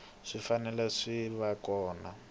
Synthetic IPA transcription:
ʂifanɛlɛʂiβakɔːna

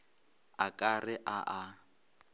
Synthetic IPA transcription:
akʼarɪʔaʔa

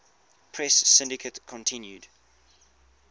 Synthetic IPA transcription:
pʰɹɛsːɪ̃ndɪkʰətkʰɔ̃ntʰɪ̃njud

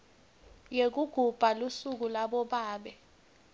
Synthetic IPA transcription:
jek̬uɡ̥ʱub̥ʱalusuk̬ulaɓɔɓaːɓɛ

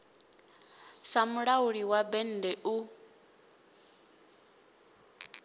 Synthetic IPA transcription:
samuɺauɺiwabɛn̩dɛʔu

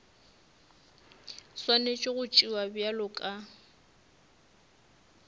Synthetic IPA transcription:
swanet͡ʃʼoɣʊt͡ʃʼiwabjalʊkʼa

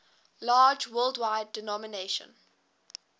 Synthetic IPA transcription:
lɑːd͡ʒwɜːlˠdwaɪdːɛnɔməneʃə̰̃n

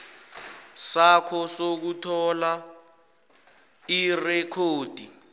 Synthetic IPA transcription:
sakʰɔsok̬utʰɔla | irɛkʰoːd̥ʱi

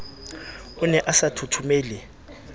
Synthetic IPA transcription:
ʊnɛʔasatʰutʰumeːlɛ

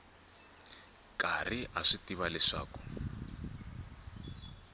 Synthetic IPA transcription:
kariʔaʂitiβalɛʂa̰ːku̥

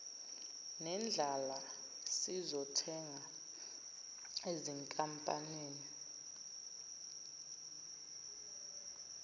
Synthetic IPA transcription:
nɛnd͡ɮʱala | sizɔtʰɛŋa | eziŋkʼampʼa̰neːni

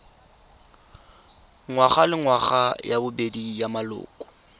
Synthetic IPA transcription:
ŋwaχalɪŋwaχajabʊbedijamalʊ̰ːkʼɔ̥

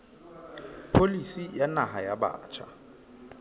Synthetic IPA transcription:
pʰolisijanaɦajaba̰ːt͡ʃʰa̰

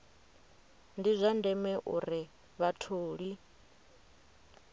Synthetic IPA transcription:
ndizʷandɛmɛʔuɾi | βatʰoːɺi

